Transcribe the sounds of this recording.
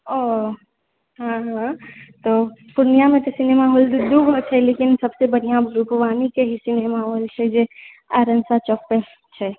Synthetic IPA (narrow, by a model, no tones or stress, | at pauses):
o | ɦãɦãt̪opuɾnijamẽt̪osinemaɦold̪d̪uɡʱɦot͡ʃʰɛlekinsəbsebəɽijãɾupʋaːnikeɦisineːmaɦolt͡ʃʰɛd͡ʒe | aɾənsat͡ʃɔpːe | t͡ʃʰɛ